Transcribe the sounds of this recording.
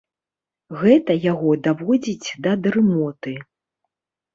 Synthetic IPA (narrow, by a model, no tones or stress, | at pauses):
ɣɛt̪ɐjaɣɔd̪avɔd͡zʲit͡sʲd̪ɐd̪ɾɨmɔt̪ɨ